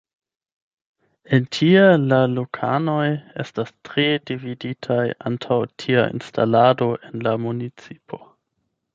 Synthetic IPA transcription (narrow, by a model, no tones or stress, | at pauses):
entʰielalokʰa̰no̞jḛstastɾedividitʰaja̰ntʰawtʰia̰ḭnstʰa̰lado̞ʔe̞nlamunit͡sipʰo̞